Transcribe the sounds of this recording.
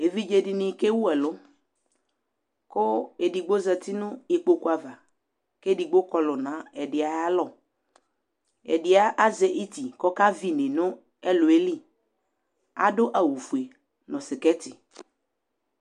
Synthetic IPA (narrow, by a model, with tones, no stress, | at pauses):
e˨vi˦d͡ʒe˨di˨nɪ̃˨ke˦wu˦ɛ˨lʊ˦ | ko˦e˨di˨ɡ͡bo˦zɛ˨t̪i˦nʊ̃˦e˨k͡po˦ku˦a˨va˨ | ke˦di˨ɡ͡bo˦kɔ˦lʊ˨nã˨˦ɛ˨ɖɪ˨a˨ja˦lɔ˨ | ɛ̰˨dɪ˨a˦ʔa˦zɛ˨ʔi˦t̪i˨kɔ˦ka˦vi˦nẽ˨nʊ̃˦ | ɛ˦lʊ˨e˦li˦ | a̰˦ɖʊ˦ʔa˨wu˨fu˨e˨ | nɔ̃˨sɪ˨kɛ˦t̪ɪ˨